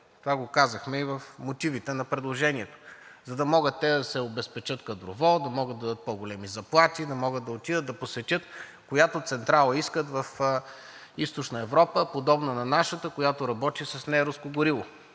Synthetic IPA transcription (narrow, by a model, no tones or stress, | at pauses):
t̪ovaɡokazəxmɛivəfmot̪ivit̪ɛnɐpɾɛd̪lˠoʒɛniɛt̪o̥zɐd̪ɐmɔɡət̪ːɛd̪ɐsɛobɛspɛt͡ʃɤt̪kɐd̪ɾovɔd̪ɐmɔɡəd̪ɐd̪ət̪̚pɔɡolɛmizɐplˠat̪ʲid̪ɐmɔɡəd̪ɐot̪id̪əd̪ɐposɛt̪ʲɤt̪ | kojat̪ot̪sɛnt̪ɾalˠəiskət̪vɐf | ist̪ot͡ʃnəɛvɾɔpəpod̪ɔbnɐnɐnaʃət̪əkojat̪oɾɐbɔt̪isɐsnɛɾuskoɡʊɾilˠo